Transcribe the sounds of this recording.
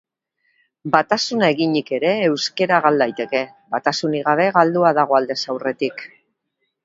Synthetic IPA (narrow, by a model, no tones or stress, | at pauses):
bat̪asunae̞ɣiɲike̞ɾe̞ːwske̞ɾaɣald̪ajt̪e̞ke̞ | βat̪asuniɣaβ̞e̞ɣald̪uaðaɣ̞o̞ald̪e̞sawre̞t̪ik